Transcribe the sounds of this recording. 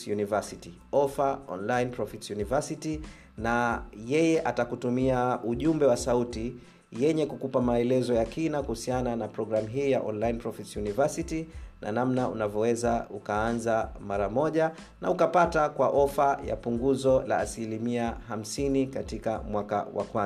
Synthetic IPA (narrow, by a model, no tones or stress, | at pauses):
univasiti | ɔfaɔ̰nlainpɾɔfitsjunivasiti | najɛjɛʔatakutumiauʄumbɛwasauti | jɛɲɛkukupamaɛlɛzɔjakinakuhusiananapɾɔɡɾamuɦiːja̰ʔɔnlainpɾɔfitsjunivasitinʔa̰namnaṵnavɔwɛzaukaanzamaɾamɔʄa | na̰ukapatakwaʔɔfaja̰puŋɡuzɔla̰ːsilimiaɦam̩sinikatikamwaka̰wa̰kwanz